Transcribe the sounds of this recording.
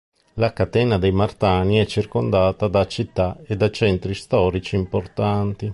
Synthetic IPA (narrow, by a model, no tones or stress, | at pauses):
lakat̪ɛːnad̪ejmart̪aːniɛt͡ʃːirkond̪aːt̪ad̪at͡ʃit̪ːaed̪ːat͡ʃɛnt̪ɾist̪ɔːɾit͡ʃiːmport̪ant̪i